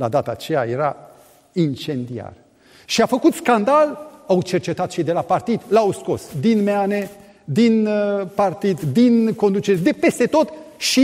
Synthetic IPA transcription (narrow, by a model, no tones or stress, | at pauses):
la̰d̪at̪aːt͡ʃe̞ja̰je̞ɾa | int͡ʃe̞nd̪ia̰r | ʃiafəkut̪skand̪alawt͡ʃe̞rt͡ʃe̞t̪at̪ʃid̪e̞lapart̪id̪lawsko̞̰sd̪inmeane̞ | d̪inpart̪id̪d̪inko̞nd̪ut͡ʃe̞ɾed̪e̞pe̞st̪e̞t̪o̞t̪ʃi